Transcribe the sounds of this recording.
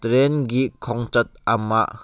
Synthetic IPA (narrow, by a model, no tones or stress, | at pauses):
t̪ɾɛnɡikʰɔŋt͡ʃɐt̪̚ɐma̰ʔ